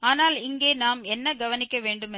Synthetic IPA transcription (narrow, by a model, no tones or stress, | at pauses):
aːnaːlɪŋɡeːnaːmɛnːɐɡɐʋɐnɪkːɐʋeːɳɖɯmɛ